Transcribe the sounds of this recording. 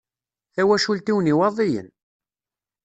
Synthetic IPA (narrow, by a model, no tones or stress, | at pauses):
θæwæʃult̪iwniwɑðˤijə̰n